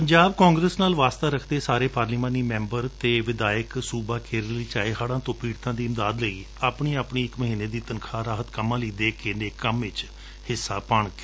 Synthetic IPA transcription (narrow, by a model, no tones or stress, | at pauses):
pəɲd͡ʒaːb̚kãːŋɡɾəːsnaːlʋaːst̪aːɾəkʰd̪eːsaːɾeːpaːɾliːmãːniːmɛ̃ːmbəɾt̪eːʋɪd̪aːjəksuːbaːkeːɾəliːt͡ʃaːeɦaːɽãːt̪õːpiːɽt̪ãːd̪iːɪmd̪aːd̪ləiː | aːpɳiːaːpɳiːɪkməɦiːneːd̪iːt̪ənkʰaːɾaːɦət̪kəmːãːləiːd̪eːkeneːkəmʋɪt͡ʃ | hɪsːaːpaːɳk